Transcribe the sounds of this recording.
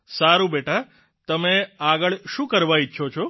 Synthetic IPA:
saɾũbeʈa | t̪əmeaɡəɭʃũkəɾʋaiʃʰot͡ʃʰo

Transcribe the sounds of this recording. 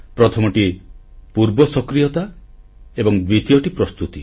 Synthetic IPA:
pɾɔt̪ʰɔmɔʈipuɾbɔsɔkɾijɔt̪a | ebɔŋd̪wit̪ijɔʈipɾɔst̪ut̪i

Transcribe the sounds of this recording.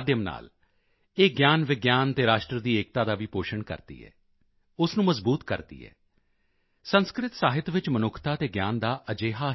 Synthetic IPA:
d̪jəmna̰ːl | eːɡjaːnʋɪɡjaːnt̪eːɾaːʃʈɾəd̪iːeːk̚t̪aːd̪aːʋiːpoːʃəɳkə̰ɾd̪̥ḭːɛ̰ː | ʊsnũːməzbuːt̪kəɾd̪ḭːɛ̰ː | sənskɾɪt̪saːɦɪt̪ʋɪt͡ʃmənʊkʰt̪aːt̪eːɡjaːnd̪aːʔəd͡ʒeːɦaː

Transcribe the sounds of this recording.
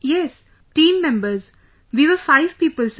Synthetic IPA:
jɛs | ʈĩːmːɛ̃mbəɾz | ʋiːʋəfaɪʋpiːpəls

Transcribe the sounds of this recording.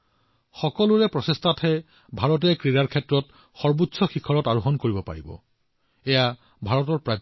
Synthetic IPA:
xɔkɔlʊɹɛpɹɔsestʰatʰhɛ | bʱaɹɔt̬ɛkɹiɹaɹkʰɛtɹɔt | xɔɹbutsɔxikʰɔɹɔtaɹʊɦɔnkoɹibɔpa̰ɹḭbɔ̰ | ɛja | bʱaɹɔtɔɹpɹa

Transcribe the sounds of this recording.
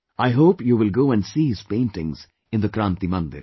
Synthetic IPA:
aɪɦoːpjuːʋɪlɡoːɛ̃nɖsiːhɪz̥pẽːnʈɪ̃ŋz̥ | ɪ̃nd̪əkɾãnt̪imʌ̃nd̪ɪ̰ɾ

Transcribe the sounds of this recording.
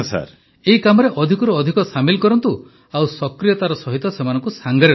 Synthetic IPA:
sa̰ɾ | eɦikamɔɾeʔɔd̪ʱikɔɾuɔd̪ʱikɔsamilkɔɾɔnt̪u | awsɔkɾijɔt̪aɾɔsɔɦit̪ɔsemanɔŋkusaŋɡɔɾe

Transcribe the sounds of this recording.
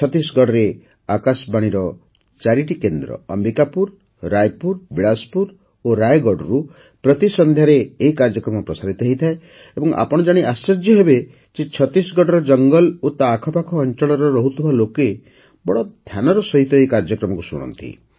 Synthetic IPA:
t͡ʃʰɔt̪isɡɔɽɔɾe | akasbaɽ̃iɾɔ | t͡ʃaɾiʈikend̪ɾɔ̰ɔ̰mbikapuɾ | ɾaj̚puɾbiɭaspuɾ | oɾajɡɔɖɔɾu | pɾɔt̪isɔnd̪ʱjaɾeːɦikaɾd͡ʒɔkɾɔmɔpɾɔsaɾit̪ɔɦeit̪ʰae | ebɔŋʔa̰pɔɽ̃ɔd͡ʒaɽ̃eʔasɔɾd͡ʒjɔɦebe | t͡ʃet͡ʃʰɔt̪isɡɔɽɔɾɔd͡ʒɔŋɡɔlot̪aːkʰɔpakʰɔːnt͡ʃɔɭɔɾɔɾɔɦut̪ʰibʱaloke | bɔɽɔd̪ʱjanɔɾɔsɔɦit̪ɔejkaɾd͡ʒɔkɾɔmɔkusṵɽ̃ɔ̰nt̪ḭ

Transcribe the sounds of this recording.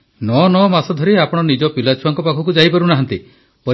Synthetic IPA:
nɔnɔmasɔd̪ʱɔɾiapɔɽ̃ɔnid͡ʒɔpilat͡ʃʰuwaŋkɔpakʰɔk̬ud͡ʒajpaɾunaɦant̪i | pɔ

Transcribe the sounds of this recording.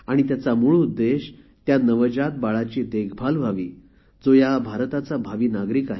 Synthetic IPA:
aɽ̃it̪̬jat͡samuɭud̪ːeɕ | t̪janəʋəd͡ʑat̪̚baɭat͡ɕiːt̪eɡbʱalʋʱaʋiː | d͡zojabʱaɾt̪at͡sabʱaʋiːnaɡɾiːkaɦe

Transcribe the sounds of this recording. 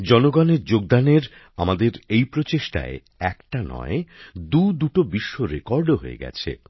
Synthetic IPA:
d͡ʑɔnoɡaneɾd͡ʑoɡ̚d̪aneɾ | a̰mad̪eɾejpɾot͡ɕeʃʈa̰e | ɛkʈanɔ̰ed̪ud̪uʈobiʃːoɾekɔɾɖoɦo̰ḛɡɛ̰t͡ɕʰḛ

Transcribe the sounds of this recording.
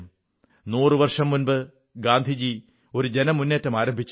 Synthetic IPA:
nuːrɨʋɐrʂɐmːunbɨ | ɡaːnd̪ʱid͡ʑi | o̞ɾud͡ʑe̞nɐmunːeːtːɐmaːɾɐmbʱit͡ɕː

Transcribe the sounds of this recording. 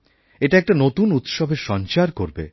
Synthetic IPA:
eʈaɛk̚ʈanot̪unut̪ʃobʱeɾʃɔnt͡ɕaɾkoɾbḛ

